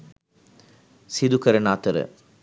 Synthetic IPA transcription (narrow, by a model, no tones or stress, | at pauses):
sid̪ukɐɾɐnaːt̪ɐɾə̰